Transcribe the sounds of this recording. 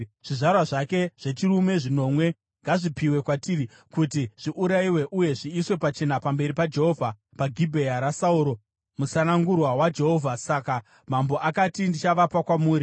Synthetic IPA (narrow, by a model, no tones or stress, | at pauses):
ʐ̥iʐarwaʐake̞ʐ̥e̞t͡ʃirume̞ʐino̞ːmwe̞ | ŋɡaʐipiwe̞kwatiri | kut̬iʐ̥iʔuɾaiwe̞ʔuje̞ʐiːswe̞pat͡ʃe̞napambe̞ɾipad͡ʒe̞ɦo̞vʱa | paɡʱibʱejaɾasauɾo̞ | musanaŋɡurwawad͡ʒe̞ɦovʱasaka | mambo̞ʔakatindit͡ʃaʋapakwamuːɾi